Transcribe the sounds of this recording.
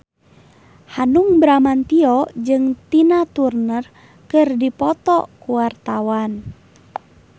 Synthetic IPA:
hanuŋbɾamant̪iɔd͡ʒɨŋt̪inat̪urnər | kɨrdipɔt̪ɔkuwart̪awan

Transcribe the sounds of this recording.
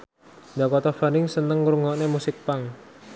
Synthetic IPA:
nd̪akɔt̪ɔfanɪŋsənəŋɾuŋɔʔnemusɪk̚paŋ

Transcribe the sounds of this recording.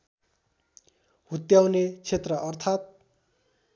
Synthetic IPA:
hut̪jawnet͡sʰet̪rʌʔʌrt̪ʰat̪̚

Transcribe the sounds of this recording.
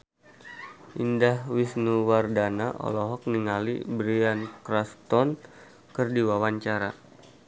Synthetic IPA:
ʔindahwisnuwardanaʔɔ̰lɔɦɔk̚niŋalḭbɾiankɾast̪ɔn | kərdiwawaɲt͡ʃaɾa̰

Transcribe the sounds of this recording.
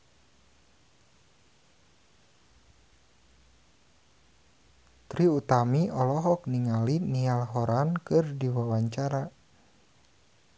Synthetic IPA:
t̪ɾiut̪amiʔɔlɔɦɔk̚niŋalinialɦɔɾankɨrdiwawaɲt͡ʃaɾa

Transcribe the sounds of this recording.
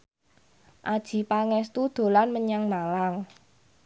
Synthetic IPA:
ʔad̥ʒ̥i̤paŋɛst̪ud̪̥o̤lanməɲaŋmalaŋ

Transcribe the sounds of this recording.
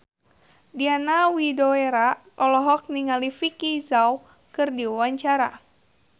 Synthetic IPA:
dianawidoeɾa | ɔlɔɦɔk̚niŋalifikizaw | kɨrdiwaɲt͡ʃaɾa

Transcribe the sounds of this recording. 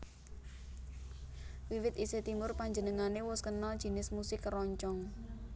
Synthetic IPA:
wiwɪt̪iset̪imʊrpaɲd͡ʒənəŋanewʊskənaldʒ̥i̤nɪsmusɪkrɔɲt͡ʃɔŋ

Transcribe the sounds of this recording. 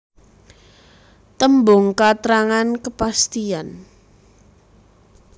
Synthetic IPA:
t̪əmbʊŋkat̪ɾaŋankəpast̪ian

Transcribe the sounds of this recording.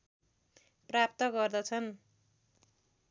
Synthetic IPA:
prap̚t̪ʌɡʌrd̪ʌt͡sʰʌn

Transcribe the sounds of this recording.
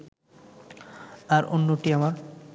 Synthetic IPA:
aɾʔo̰nːoʈiamaɾ

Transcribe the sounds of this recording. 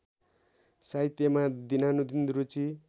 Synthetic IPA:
sait̪jemad̪inanud̪ind̪ɾut͡si

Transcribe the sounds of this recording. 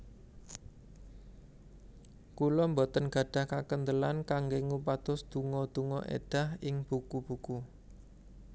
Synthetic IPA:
kulɔmbɔt̪ənɡ̥ä̤ɖ̥a̤hkakənd̪əlankaŋɡeŋup̬ad̪̥ʊsd̪̥ṳŋɔd̪̥ṳŋɔ̰ʔḛɖ̥a̤hɪŋb̥ukub̥uku

